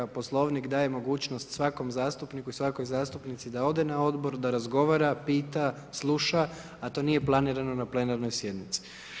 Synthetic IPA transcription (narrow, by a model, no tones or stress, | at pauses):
apo̞slˠo̞ʋnikd̪aːje̞mo̞ɡuːt͡ɕnost̪sʋako̞mzaːst̪upnikuisʋako̞jzaːst̪upnit̪sid̪ao̞d̪e̞nao̞d̪bo̞ɾd̪aɾazɡo̞ʋaɾapiːt̪a | slˠuʃa | at̪o̞ːnije̞plˠaniːɾano̞naple̞naɾno̞jsje̞d̪nit̪si̥